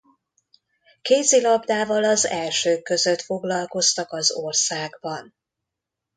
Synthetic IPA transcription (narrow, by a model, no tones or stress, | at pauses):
keːzilɒbd̪aːvɒlɒzɛlʃøːkːø̞zø̞t̪fo̞ɡlɒlko̞st̪ɒkɒzorsaːɡbɒn